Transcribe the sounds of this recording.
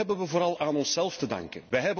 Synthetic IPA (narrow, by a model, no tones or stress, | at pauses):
ɛbənʋəvoːɾɑlˠʔaːnɔnsɛlˠftədɑ̰ŋkənʋəɦɛbə